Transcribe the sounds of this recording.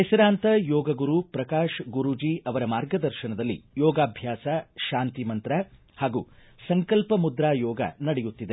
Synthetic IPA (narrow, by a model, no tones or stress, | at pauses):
ɦɛsɐɾaːnt̪ɐjɔːɡɐɡuɾupɾɐkaːʃɡuɾud͡ʒiɐʋɐɾɐmaːɾɡɐd̪ɐɾʃɐnɐd̪ɐlːḭjɔːɡaːbʱjaːsɐʃaːnt̪imɐnt̪ɾɐ | haːɡuː | sɐŋkɐlpɐmud̪ɾaːjɔːɡɐ̰nɐɽejut̪ːid̪e